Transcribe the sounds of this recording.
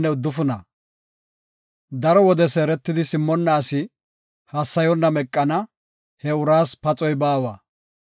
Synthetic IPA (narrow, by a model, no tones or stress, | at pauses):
nːɛʊd̪ːʊfʊnɐ | d̪ɐɾɔwɔd̪ɛseːɾɛt̪ːɪd̪ɪsɪmːɔnːaːsɪ | hɐsːɐjɔnːɐmɛkʼːɐnɐ | hɛʊɾaːspɐt͡sʼɔjbaːwaː